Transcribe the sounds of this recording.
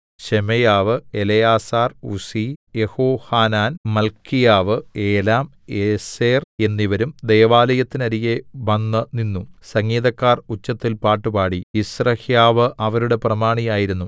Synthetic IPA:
ɕemejaːʋɨelɐjaːsaːrṵsijehoːhaːnaːnmɐlkʰːijaːʋɨeːlaːm | eseːre̞nːiʋɐɾumd̪ejɐʋaːlɐjɐt̪ːinɐɾijeʋɐnːɨninːusɐŋːiːðɐkːaːrut͡ɕːɐt̪ːilpaːʈːɨpaːɽiisrɐhjaːʋɨʔɐʋɐɾuɽe̞prɐmaːɳijaːjiɾunːu

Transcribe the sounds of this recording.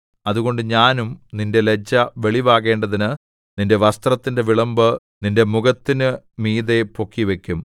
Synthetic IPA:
ɐðuɣo̞ɳɖɨɲaːnumninde̞le̞d͡ʑːɐʋe̞ɭiʋaːɣe̞ːɳɖɐðinɨ | ninde̞ʋɐst̪rɐt̪ːinde̞ʋiɭɐmbɨ | ninde̞muɣɐt̪ːinɨ | miːðe̞po̞kːiʋe̞kʲːum

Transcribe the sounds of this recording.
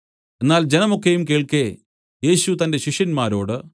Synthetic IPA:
e̞nːaːld͡ʑe̞nɐmo̞kːejumkeːɭke̞ | je̞ːɕut̪ɐnde̞ɕiʂjɐnmaːɾo̞ːɽɨ

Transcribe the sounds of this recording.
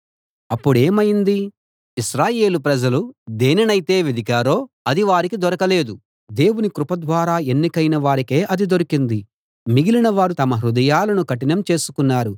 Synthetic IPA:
ɐpːuɽe̞ːmɐjind̪i | iʃɾaːje̞ːlupɾɐd͡ʒɐlud̪eːnɛnɐjit̪e̞ːʋid̪ikaːɾo̞ː | ɐd̪iʋaːɾikid̪ɔɾɐkɐle̞ːd̪u | d̪e̞ːwunikɾupɐd̪ʋaːɾaːe̞nːikɐjnɐʋaːɾike̞ːʔɐd̪id̪oɾikind̪i | miɡilinɐʋaːɾut̪ɐmɐɦɾud̪ɐjaːlɐnukɐʈinɐmt͡ʃe̞ːsu̥kunːaːɾu

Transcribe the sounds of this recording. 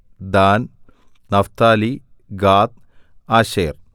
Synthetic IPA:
d̪aːn | nɐft̪aːliɡaːt̪̚ | aːɕḛːr

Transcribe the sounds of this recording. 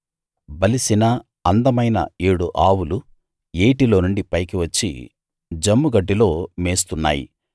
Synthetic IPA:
bɐlisinɐ | ɐnd̪ɐmɐjnɐ̰eːɽuʔaːwulu | eːʈilo̞ːnuɳɖipɐjkiʋɐt͡ʃːḭ | d͡ʒɐmːuɡɐɖːilo̞ːmeːst̪unːa̰ːjḭ

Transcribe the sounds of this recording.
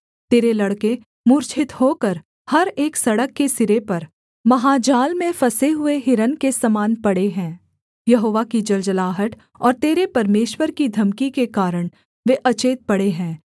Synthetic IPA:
t̪eːɾelɐɽke | mʊɾt͡ʃʰɪt̪hoːkɐɾ | hɐɾeːksɐɽəkːesɪɾepɐɾ | mɐɦaːd͡ʒaːlmẽfɐseɦʊeɦɪɾənkesɐmaːnpɐɽeɦɛ̃ː | jɐɦoːʋakid͡ʒɐld͡ʒəlaːɦəʈ̪ | ɔːɾt̪eːɾepɐɾmeːʃwəɾkid̪ʱɐmkikekaːɾəɽ̃ | ʋeʔɐt͡ʃeːt̪̚pɐɽeɦɛ̃ː

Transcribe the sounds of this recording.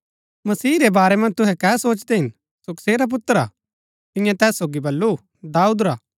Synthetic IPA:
mɐsiːɾebaːɾɛmɐ̃nt̪ʊɦɛ̃kɛːsoːt͡ʃd̪ɛɦɪ̃n | sʊkseːɾap̬ʊt̪ːəɾa̰ | t̪ɪ̃jãt̪ɛːsːoːɡibɐlːu | d̪aːuːd̪ɾaː

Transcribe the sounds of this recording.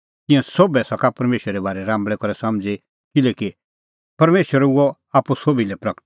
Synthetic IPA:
t̪ɪ̃ɛ̃sobɛsɐkapɐɾmeːʃəɾɛbaːɾɛɾãːmbɭɛkɔɾɛsɐmd͡ze | kɪlɛki | pɐɾmeːʃəɾuɔ | aːpusobilɛpɾɐkʈ

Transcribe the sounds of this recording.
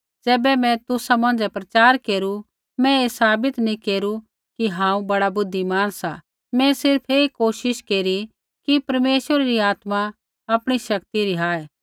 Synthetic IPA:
d͡ʒɛːbɛmɛ̃t̪ʊsamɐ̃nd͡zɛpɾɐt͡ʃaːɾkeːɾu | mɛ̃esaːbɪt̪nĩkeːɾu | kiɦãːũbɐɽabʊd̪ʱːimaːnsa | mɛ̃sɪɾpʰeːkoːʃɪʃkeːɾi | kipɐɾmeːʃʋəɾaɾiaːt̪ma | ɐpɽ̃iʃɐkt̪iɾiɦaːɛ

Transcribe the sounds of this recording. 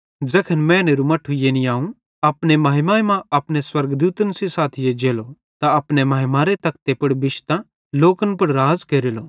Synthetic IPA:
d͡zɐkʰənmɛ̃ːneɾumɐʈʰːujeːniaːũ | ɐpnemaːɦɪmaːemãɐpneswɐɾɡd̪uːt̪ənsisaːt̪ʰɪjed͡ʒeːlo | t̪aɐpnemɐːɦɪmaːɾet̪ɐk̚t̪epɐɽbɪʃt̪ã | loːkənpɐɽɾaːzkeːɾeːlo

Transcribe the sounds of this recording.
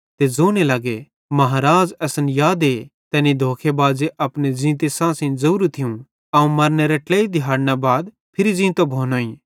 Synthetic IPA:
t̪ezoːnelɐɡe | mɐɦaːɾaːd͡zɛsənjaːd̪et̪ɛːnid̪ʱoːkʰebaːzeʔɐpned͡ʒĩːt̪esãːsɪ̃zɐuːɾut̪ʰɪjũ | ɐũmɐɾneɾɛʈɛːid̪ʱɪɦaːɽnabaːd̪ | pʰɪɾizĩːt̪obʱoːnoːĩ

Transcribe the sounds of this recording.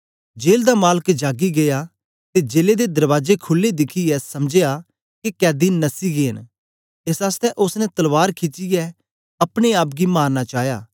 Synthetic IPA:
d͡ʒeːld̪amaːləkd͡ʒaːɡiɡeja | t̪ed͡ʒeːled̪ed̪ɐɾʋaːd͡ʒekʰʊlːed̪ɪkʰiɛsɐmd͡ʒeja | kikɛːd̪iːnnːɐsiɡeːɦən | esaːst̪ɛʔʊsnɛt̪ɐlʋaːɾkʰɪt͡ʃijɛ | ɐpɽ̃eaːp̚ɡimaːɾnat͡ʃaːɦjaː

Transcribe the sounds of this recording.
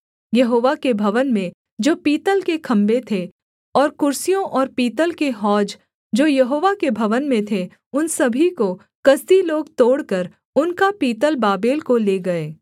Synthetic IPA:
jɐɦoːʋakebʱɐʋənmẽ | d͡ʒoːpiːt̪əlkekʰɐ̃mbet̪ʰe | ɔːɾkʊɾsijõʔɔːɾpiːt̪əlkeɦɔːd͡ʒ | d͡ʒoːjɐɦoːʋakebʱɐʋənmẽt̪ʰe | ʊnsɐbʱiko | kɐzd̪iloːɡt̪oːɽkəɾ | ʊnkapiːt̪əlbaːbeːlkoleːɡɐeː

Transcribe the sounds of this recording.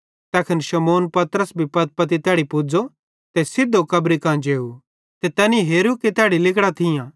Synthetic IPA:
t̪ɛːkʰɪnʃɐmoːnpɐt̪əɾəsbʱipɐt̪̚pɐt̪̬it̪aːɽipʊd͡zo | t̪esɪd̪ːokɐbɾikãːd͡ʒeːu | t̪et̪ɛːnĩɦeːɾuket̪aːɽilɪkɽat̪ʰɪjãː

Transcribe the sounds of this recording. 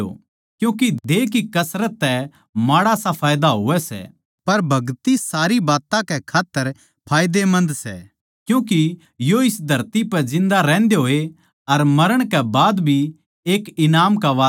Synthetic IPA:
o̰ | kjũːkid̪eːkikɐsɾət̪ːɛ | maːɽasapʰaːjd̪aɦoːʋɛsɛ̰ | pɐɾbʱɐɡt̪isaːɾibaːt̪ãkɛkʰaːt̪ːəɾ | pʰaːjd̪emɐ̃nd̪sɛ̰ | kjũːki | joɪsd̪ʱɐɾt̪ipɛd͡ʒɪ̃nd̪aɾɛ̃ːnd̪eɦoːe | ɐɾmɐɾəɽ̃kɛbaːd̪bʱi | eːkɪnaːmkaʋaː

